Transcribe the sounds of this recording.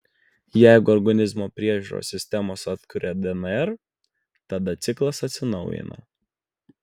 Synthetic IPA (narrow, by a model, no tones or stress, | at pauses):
jæˑɪɡʊɔɾɡɐnʲɪzmoːpʲɾʲiɛʒʲuɾo̰ːsʲɪsʲt̪ʲɛmoːsɐt̪kʊɾʲɛd̪ɛnɛɾ | t̪ɐd̪ɐt̪sʲɪklˠɐsɐt̪ʲsʲɪnɒʊjɪ̰nɐ̰